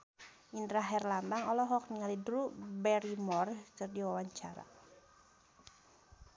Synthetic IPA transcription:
ʔindɾaɦɛrlambaŋɔlɔɦɔk̚niŋalidɾubɛɾimɔrkɨrdiwawaɲt͡ʃaɾa̰

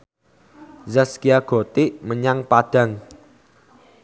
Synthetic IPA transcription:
zaskiaɡ̥o̤t̪iʔməɲaŋpaɖ̥a̤ŋ

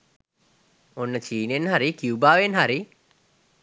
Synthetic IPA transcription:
onːət͡ʃiːnenɦaɾikiubaːʋenɦaɾi

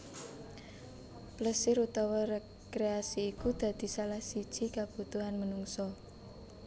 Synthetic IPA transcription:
pləsɪɾut̪ɔwɔre | kɾeasiːkud̪̥ä̤d̪̥i̤salahsid̥ʒ̥i̤kab̥ṳt̪uɦanmənuŋsɔ

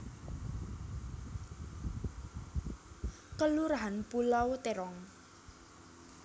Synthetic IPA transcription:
kəluɾaɦanpulawt̪eɾɔŋ

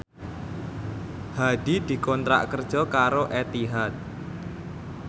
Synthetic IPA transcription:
had̪̥id̪̥i̤kɔnt̪ɾa̰ʔkərd̥ʒ̥ɔkaɾoʔɛt̪iɦat̪̚

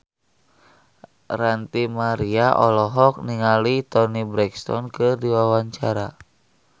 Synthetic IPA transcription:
rant̪imaɾiaʔɔlɔɦɔk̚niŋalit̪ɔnibɾɛkst̪ɔ̰nkɨrdiwawaɲt͡ʃaɾa

